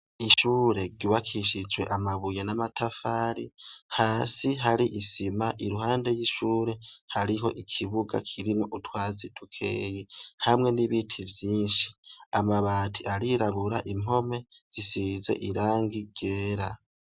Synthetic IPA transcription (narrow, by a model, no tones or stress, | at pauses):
iʃuːɾe̞ɡiwakʰiʃid͡ʒwe̞̰ʔamaβujenamatʰafaɾihaːsiɦaɾiʔisimaʔiɾuɦaːnde̞jiʃuːɾe̞haɾiɦo̞̰ʔikʰiβuɡa̰kʰiɾimoʔutʰwaːzitʰukʰe̞̰ːjihamŋe̞niβitʰivjiːnʃi̥amaβaːtʰiaɾiɾaβuɾaʔim̥o̞me̞z̥isiːze̞̰ʔiɾaːŋɡiɡ̥e̞ːɾa